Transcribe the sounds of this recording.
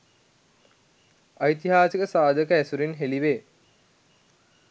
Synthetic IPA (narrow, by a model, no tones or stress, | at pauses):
ajt̪iɦaːsəkəsaːd̪ʱəkəæsuɾinɦeliʋeː